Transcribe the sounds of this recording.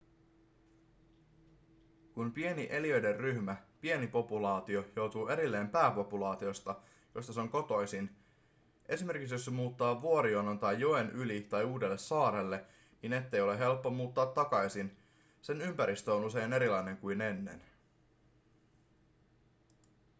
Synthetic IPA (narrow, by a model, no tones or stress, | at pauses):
kunpie̞niʔe̞liø̞jde̞rryçmæpie̞nipo̞pulɑːt̪io̞jo̞wt̪uːe̞ɾilːe̞ːmpæːpo̞pulɑːt̪io̞st̪ɑ | jo̞st̪ɑseo̞ŋko̞t̪o̞jsin | ʔe̞sime̞rkiksjo̞ssemuːt̪ːɑːʋuo̞ɾionːont̪ɑjːoenʔylit̪ɑjuːde̞lːe̞sɑːɾelːe̞ | nine̞t̪ːe̞jo̞leɦe̞lpːomuːt̪ːɑːt̪ːɑkɑjsin | se̞nympæɾist̪øonuse̞jne̞ɾilɑjne̞ŋkujne̞nːe̞̰n